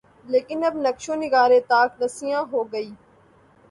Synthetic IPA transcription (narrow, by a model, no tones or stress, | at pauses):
leːkɪnɐbnɐkʃõːnɪɡaːɾẽːt̪aːknɐsɪjãːɦoːɡəiː